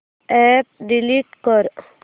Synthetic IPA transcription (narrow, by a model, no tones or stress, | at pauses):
ɛp̚ɖiliʈkəɾ